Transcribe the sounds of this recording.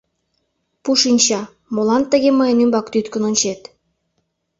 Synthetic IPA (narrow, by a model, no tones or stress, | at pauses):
puʃinʲt͡ɕɑ | molɑnt̪ːə̆ɣʲeməjənymbɑkt̪yt̪kə̆nŏnʲt͡ɕet̪